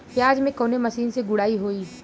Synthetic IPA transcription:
pjaːd͡ʒmẽkoːnemɐsiːnseɡʊɽaːiɦoːiː

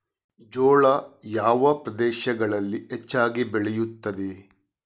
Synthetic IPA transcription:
d͡ʒoːɭɐjaːʋɐpɾɐd̪eːʃɐɡɐɭɐlːiɦet͡ʃːaːɡibeɭɛjut̪ːɐd̪e

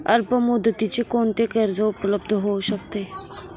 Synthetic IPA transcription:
əlpəmud̪ət̪it͡ɕekoɳt̪ekəɾd͡zəupləbd̪ʱəɦouɕək̚t̪e

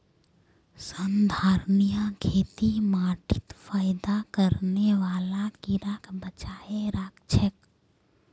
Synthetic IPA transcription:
sənd̪ʱaːɾnijãkʰeːt̪imaːʈɪt̪faːɪd̪akəɾneʋaːlakiɾaːkbət͡ʃaːeɾaːkt͡ʃʰək

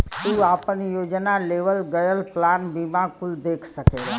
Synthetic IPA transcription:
t̪uaːpənjoːd͡ʒnaleːʋəlɡəjəlplaːnbimakuld̪eːkʰsəkeɡa

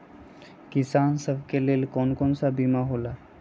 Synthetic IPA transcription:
kisansəbkelelkɔnkɔnsabimaɦola

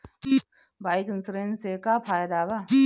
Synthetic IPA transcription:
bʱaːikənsɾensekaːpʰaːjd̪aːba

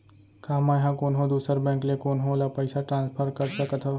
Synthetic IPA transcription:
kaːmãjɦãkoːnɦõd̪uːsəɾbɛ̃ːklekoːnɦolapəɪsaʈɾãːnspʰəɾkəɾsəkət̪ʰɦo

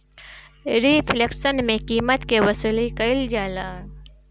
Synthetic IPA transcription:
ɾipʰleksənmẽkiːmət̪kewɐsuːlikɐɪld͡ʒaːlaː

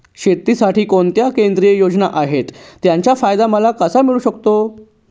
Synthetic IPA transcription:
ɕet̪ːisaʈiːkoɳt̪jakend̪ɾijejod͡ʑnaʔaɦet̪ːjaɲt͡ɕjafajd̪aməlakəsamiɭuːɕəkt̪o

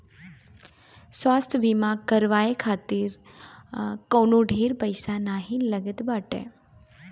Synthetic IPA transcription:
swaːst̪ʰjəbimãkəɾʋaːekʰaːt̪iɾ | koːnũɖʱiːɾpəjsanaːɦĩləɡət̪baːʈḛː

